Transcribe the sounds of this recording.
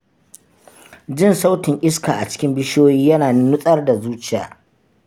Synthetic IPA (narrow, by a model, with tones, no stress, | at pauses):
d͡ʒɪ˦nsa˦wtɪ˨ŋʔʲʼɪ˦skaː˨ʔa˨t͡ʃɪ̥˦kʲɪ˦mbɪ˦ʃoː˦jiː˦jɐ˦naː˨nɪ˦nʊ˦sʼɐ˦rda˨zuː˦t͡ʃɪ˨ja̰ː˨